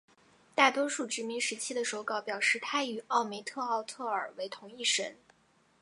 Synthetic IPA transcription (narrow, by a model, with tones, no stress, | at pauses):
t̪a˥˩t̪wɔ˥ʂu˥˩ʈ͡ʂɻ̩˧˥mi˧˥ŋʂɻ̩˧˥t͡ɕʰi˥d̪ə˨ʂo˧˥ʊkɑ˥˩ʊpjɑ˨˩ʊʂɻ̩˥˩t̪ʰa˥y˨˩ɑ˥˩ʊme˧˥ɪt̪ʰɤ˥˧ɑ˥˧ʊt̪ʰɤ˥˩ə˞˨˩we˧˥ɪt̪ʰʊ˧˥ŋi˥˩ʂə̰˧˥n